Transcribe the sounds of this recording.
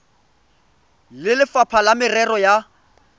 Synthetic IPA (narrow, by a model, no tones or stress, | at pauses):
lɪlɪfapʰalamɪrɛrɔja